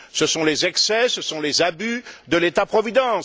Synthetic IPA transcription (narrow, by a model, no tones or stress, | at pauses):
səsɔ̃lezɛksɛsəsɔ̃lezabyd̪əlet̪apχɔvid̪ɑ̃s